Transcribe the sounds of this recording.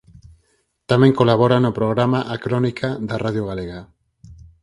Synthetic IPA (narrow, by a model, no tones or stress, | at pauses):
t̪ameŋko̞laβo̞ɾanopɾo̞ɣɾamaʔakɾo̞nikʰaðaraðjoɣaleɣa